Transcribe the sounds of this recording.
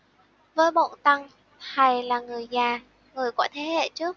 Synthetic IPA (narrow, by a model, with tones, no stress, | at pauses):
vəː˨˦jɓo̰˧˨nt̪a˧ŋ | t̪ʰa˨˩jlaː˨˩ŋɨ˨˩əjzaː˨˩ | ŋɨ˨˩əjkɔ˧˩˦jt̪ʰe˨˦hḛ˧˨t͡ɕɨ˦˥ək̚